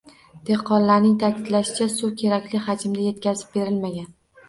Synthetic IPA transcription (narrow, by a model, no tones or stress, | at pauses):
d̪̥eqʰːɒnlaɾnɪŋt̪ʰakʲʰɪd̪laʃɪt͡ʃʰasukʲʰe̞ɾakʲlɪhad͡ʒɪmd̪aje̞t̪kʲʰazɪ̥p̚be̞ɾɪlmaɡʲan